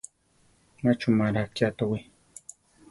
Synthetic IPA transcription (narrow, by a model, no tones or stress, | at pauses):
mat͡ʃumaɾak̚t͡ʃat̪awi